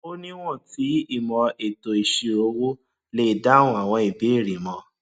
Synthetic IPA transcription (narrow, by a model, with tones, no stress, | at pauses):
o˦nĩ˦w̃ɔ̃˦˨ti˨˦i˦˨mɔ̃˧e˨to˨i˨ʃi˧o˧˦wo˦ | le˦˨da˦ũ˨a˨w̃ɔ̃˧i˨bi˨˦i˦˨ɾi˨mɔ̃˨˧˦